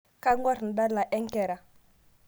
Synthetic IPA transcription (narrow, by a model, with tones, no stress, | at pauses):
ka˦ŋɡʷa˦ɾn̩˨da˦ɾla˨ʔe˦ŋ˦ke˨ɾa˨